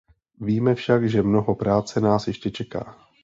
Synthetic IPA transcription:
viːmɛfʃakʒɛmnoɦo̞pɾaːt͡sɛnaːsjɛʃcɛt͡ʃɛka̰ː

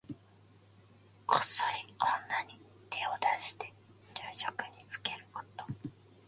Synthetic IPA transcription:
kʰo̥soionːaɲi | t̪ʰeod̪aɕi̥t̪e̞ | d͡ʑɨːʑokɯ̟ɲ̟it͡sɯ̥ke̞ɾɯ̟kot̪o

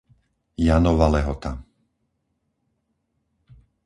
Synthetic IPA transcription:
janɔʋalɛɦɔt̪a̰

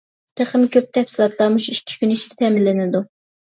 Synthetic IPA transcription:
t̪ʰeχəmkʲøp̚t̪ʰɛfsɪlˠɑt̪lˠɑmuʃuikʲʰːi̥kʲyniʃt̪ɪt̪ʰɛmɪlːɪnɪd̪u

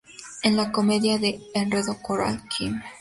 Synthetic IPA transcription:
enlako̞me̞ðjaðe̞ːnreðokoɾa̰lkʰim

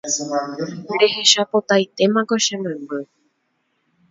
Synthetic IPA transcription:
ɾe̞ɦe̞ʃapot̪ajt̪e̞mãkoʃẽnẽmɨ

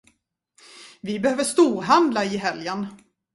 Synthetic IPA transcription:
vɪbɛhøːvəʂt̪uːɾɦand̪laɪɦɛljən

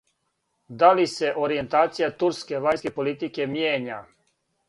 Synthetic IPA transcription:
d̪alise̞ʔoɾije̞nt̪aːt̪sijat̪uɾske̞ʋaɲskepo̞lit̪ike̞mjeːɲa

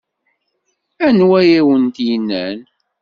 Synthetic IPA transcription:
ænwæjæwənt̪jinːæn

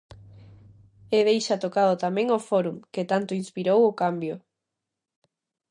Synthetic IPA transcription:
eðejʃat̪okaðot̪amɛ̃ŋofoɾuŋket̪ant̪oinspiɾowʊkambjo

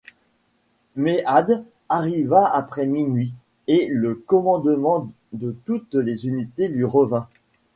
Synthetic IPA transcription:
meʔad̪ | aʁivaapχɛminɥi | eləkɔmɑ̃d̪mɑ̃ | d̪ət̪ut̪lezynit̪elɥiʁəvɛ̃

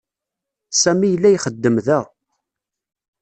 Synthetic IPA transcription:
sæmijəlːæjχəd̪ːəmðæʁ

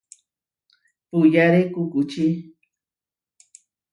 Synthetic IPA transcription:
pujaɾekukut͡ʃi

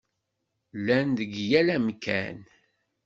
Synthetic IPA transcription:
lːænðəɡjælæmkæ̰n

